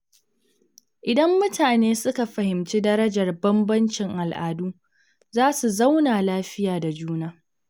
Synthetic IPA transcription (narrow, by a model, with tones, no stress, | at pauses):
ʔɪ˨dɐ˦mːʊ˦tʰaː˨neː˦sʊ˦ka˨ɸɐ˨hɪ˨mt͡ʃiː˦dɐ˦ɾɐ˦d͡ʒɐ˨rbɐ˦mbɐ˦nt͡ʃɪ˨ŋʔa˨lʔaː˨duː˦ | zaː˦su˨za˦wnaː˨laː˦ɸɪ˦jaː˨da˨d͡ʒuː˦naː˦